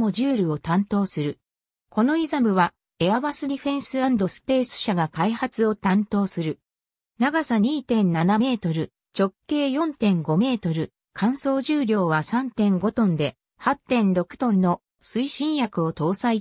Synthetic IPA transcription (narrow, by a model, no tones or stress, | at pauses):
mo̞ʑɨːɾʲɯ̟o̞t̪ãnt̪o̞ːsɨɾɯ̟ | ko̞no̞izamɯ̟βa | e̞aβasɨd̪ʲiɸẽ̞ɰ̃sɨãnd̪o̞sɨ̥pe̞ːsɨ̥ɕaɡakaihat͡sɨo̞t̪ãnt̪o̞ːsɨɾɯ̟ | naɡasaɲ̟iːt̪ẽ̞nnːaname̞ːt̪o̞ɾɯ̟ | t͡ɕo̞kːe̞ːjõ̞nt̪ẽ̞ŋɡo̞me̞ːt̪o̞ɾɯ̟ | kʰãɰ̃so̞ːʑɨːɾʲjo̞ːβasãnt̪ẽ̞ŋɡo̞t̪õ̞nd̪e̞ | hat̪ːẽ̞nɾo̞kɯ̟̥t̪õ̞nno̞ | sɨiɕĩɰ̃jakɯ̟o̞t̪o̞ːsai